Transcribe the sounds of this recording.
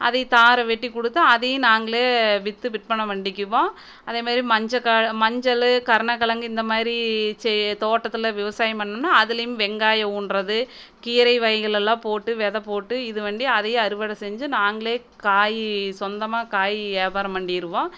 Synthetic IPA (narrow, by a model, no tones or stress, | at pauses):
ʔɐ̰ðɐɪt̪aːɾɐʋɛʈːikːɔɽɯt̪ːɐɐðɐj̃naːŋɡɐɭeːʋɪt̪ːɯʋɪʈ̚pɐɳːɐʋɐɳɖɪkʲːɯʋõː | ɐðeːmaːðɾimɐɲd͡ʒɐkaːmɐɲd͡ʒɐlɯkɐɾɳɐkːɐɭɐŋɡɯɪnd̪ɐmaːðɾit͡ʃɛt̪oːʈːɐt̪ːɯlɐʋɪʋɐsaːjɐmpɐɳːɯnːaːɐðɪlɐjʊ̃mʋɛŋɡaːjɐuːɳɾɐðɯ | kiːɾɐɪʋɐjɐɣɐɭɛlːãːpoːʈːɯʋɛðɐpoːʈːɯɪðɯʋɐɳɖiɐðɐj̃ɐɾɯʋɐɽɐsɛɲd͡ʒɯnaːŋɡɐɭeː | kaːjsɔnd̪ɐmaːkaːjeːbaːɾɐmɐɳɖijɪɾɯʋõː